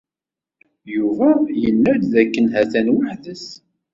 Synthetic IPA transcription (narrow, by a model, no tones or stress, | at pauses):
juvæjənːæɾðækːənhæθænwəħðəs